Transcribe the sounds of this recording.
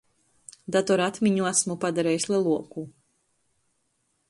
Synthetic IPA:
d̪at̪ɔɾat̪miɲuasmupad̪aɾɛːjisʲlˠɛlˠuɔku

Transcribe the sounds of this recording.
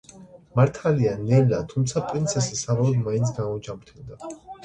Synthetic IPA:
maɾt̪ʰalianɛlat̪ʰumt̪sʰapʼɾint̪sʰɛsisavalˠɔd̪maĩnt̪sʰɡamɔd͡ʒamɾt̪ʰɛld̪a

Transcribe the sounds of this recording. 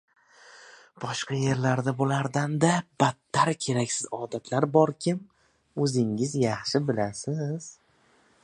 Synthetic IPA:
b̥ɒʃqɑje̞ɾlaɾd̪abolaɾd̪and̪ab̥at̪ʰːaɾkʲʰe̞ɾakʲsɪzɒd̪at̪ʰlaɾbɒɾkʲʰɪm | ɵzɪŋɪzjɑχʃɪbɪlasɪz̥

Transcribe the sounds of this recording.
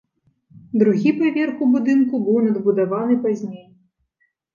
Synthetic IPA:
d̪ɾuɣʲipavʲɛrxubud̪ɨnkubɨwnɐd̪bud̪avanɨpazʲnʲej

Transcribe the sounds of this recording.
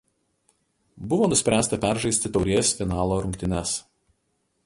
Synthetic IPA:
bʊʋoːnʊsʲpʲɾʲæːst̪ɐpʲæˑɾʒɐɪsʲt̪ʲɪt̪ɒʊɾʲeɛsfʲɪnɑːlˠoːɾʊŋʲkʲt̪ʲɪnʲɛs

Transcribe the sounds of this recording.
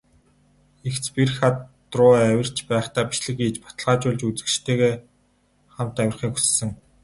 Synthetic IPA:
ext͡spirxa | rʊːæwʲɪ̆r̥t͡ɕpæːχt̪aːpi̥ʃɮɘ̆kiːt͡ɕpḁt̪ə̆ɮʁaːt͡ɕʊːɮt͡ɕut͡sɘ̆kʃt̪ʰeːɣeː | χam̥t̪æwʲɪ̆rχiːku̥ssɘ̆ŋ

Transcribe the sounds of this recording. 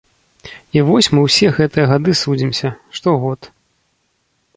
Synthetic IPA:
ivɔsʲmɨwsʲɛɣɛt̪ɨjɐɣad̪ɨsud͡zʲimsʲɐʂt̪ɔɣɔt̪

